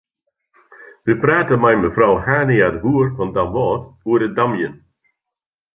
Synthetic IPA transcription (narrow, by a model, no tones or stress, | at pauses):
ʋəpraːtənmɛjməfrawhaːniadbuərfɑndamʋɔːtuərədamjən